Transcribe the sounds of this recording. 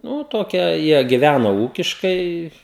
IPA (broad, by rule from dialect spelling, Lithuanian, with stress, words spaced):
nuː ˈtoːkʲɛ ˈjiɛ ɡʲɪˈʋʲænoː ˈuːkʲɪʃkɐɪ